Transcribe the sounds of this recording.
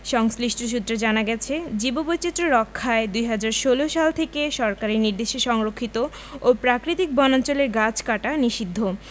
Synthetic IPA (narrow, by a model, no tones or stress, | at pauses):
ʃɔŋsliʃʈʰoʃ̬ut̪ːɾed͡ʑanaɡɛt͡ɕʰed͡ʑibobojt͡ɕit̪ːɾoɾɔkʰːaed̪ujɦad͡ʑaɾʃoloʃalt̪ʰekeʃɔɾkaɾiɾniɾd̪eʃeʃɔŋɾokʰːit̪o | opɾakɾit̪ik̚bɔnant͡ɕoleɾɡat͡ɕkaʈaniʃid̪ʱːo